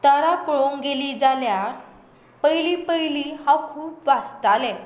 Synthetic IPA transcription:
t̪əɾakɭoŋɡeliːd͡zaljaɾ | pəjlipəjlihãkʰuːpʋast̪alɛ̃

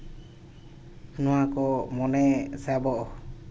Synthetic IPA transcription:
nɔwakɔmɔnɛsabɔʔɔ

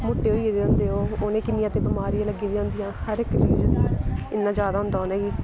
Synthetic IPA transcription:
moʈːeːɦoːiːed̪eːõnd̪eːoːoːnẽːkɪnɪjãːt̪eːbɪmaːɾijãːləɡːiːd̪ijaːɦʊnd̪ijãːhəɾɪkt͡ʃiːzɪnːãːd͡ʒjaːd̪aːɦʊ̃nd̪aːɦoːnɛːɡiː

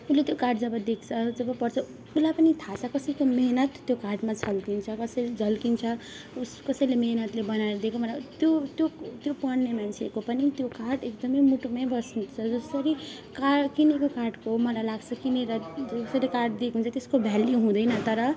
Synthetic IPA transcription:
ulet̪jokarʈd͡zʌbʌd̪ekʰt͡sʰʌd͡zʌbʌpʌrt͡sʰʌ | ulapʌnit̪ʰat͡sʰʌkʌsʌjkomeɦnʌt̪ːjokarʈmad͡zʰʌlkint͡sʰʌkʌsʌjd͡zʱʌlkint͡sʰʌ | uskʌsʌjlemeɦnʌt̪lebʌnaeɾʌd̪ekomʌlat̪jot̪jot̪jopʌnːemant͡sʰekopʌnit̪jokaʈekd̪ʌmʌjmuʈumʌjbʌsnt͡sʰʌd͡zʌsʌɾi | kakinekokarʈkomʌlajlaɡt͡sʰʌkineɾʌd͡zʌsʌlekarʈd̪ekʰɦũnt͡sʰʌt̪eskobʱjalːiɦũd̪ʌjnʌt̪ʌɾʌ

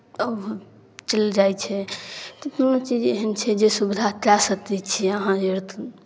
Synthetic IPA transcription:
əb | t͡ʃəld͡ʒajt͡ʃʰɛt̪ɔt̪unot͡ʃid͡ʒeɦənt͡ʃʰɛd͡ʒesubid̪ʱat̪ɾasət̪it͡ʃʰiəɦãeɾt̪ʰ

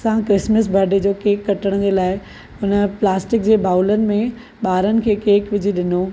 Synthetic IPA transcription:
ɐsãkɾɪsməsbʱɐɾɖed͡ʑoːkeːkːɐʈəɽ̃d͡ʑeːlaːɪ | ʊnəplaːsʈɪk̚d͡ʑeːbʱaːʊlənɪ̆mẽ | ɓaːɾənɪ̆kʰeːkeːkʋɪd͡ʑʱiɗɪnoː

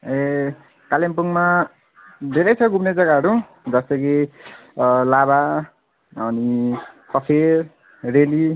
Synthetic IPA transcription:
e | kalempuŋma | d̪ʱeɾʌjt͡sʰʌɡupned͡zʌɡaɦʌɾu | d͡zʌst̪ʌɡi | laba | ʌnisʌpʰer | reli

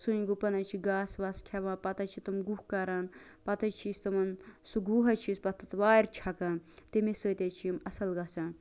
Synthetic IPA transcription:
sunɡupɐnɐt͡ʃʰiɡaːsʋɐskʲʰɛʋãːpɐt̪ɐt͡ʃʰit̪umɡuhkɐɾɐnpɐt̪ɐt͡ʃʰist̪ɐmɐnsuɡuːɦɐt͡ʃʰispɐt̪ʰːɐt̪ʋaːɾt͡ʃʰɐkɐnt̪imisəːt̪ʲet͡ʃʰijimɐsɐlɡɐsɐ

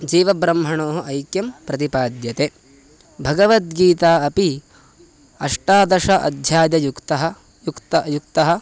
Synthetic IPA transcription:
d͡ʒiːʋɐbɾɐmɦɐɳoːɦɐʔɐjkjɐmpɾɐt̪ipaːd̪jɐt̪e | bʱɐɡɐʋɐt̪̚ɡiːt̪aːɐpi | ɐʂʈaːd̪ɐʃɐʔɐ̰d̪ʱjaːd̪ɐjukt̪ɐɦɐ | jukt̪juk̚t̪ɐɦɐ̆

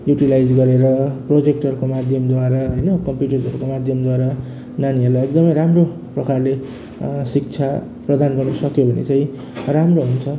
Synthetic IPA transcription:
juʈilajd͡zɡʌɾeɾʌprod͡zekʈʌrkomad̪ʱjʌmd̪waɾaɦʌjnʌkʌmpjuʈʌrzd͡zʌɾukomad̪ʱjʌmd̪waɾa | naniʌrlajek̚d̪ʌmʌjɾamro | prʌkarle | sik̚t͡sʰa | prʌd̪ʱanɡʌrnʌsʌkjobʱʌnḛt͡sãĩ | ramroɦunt͡sʰʌ

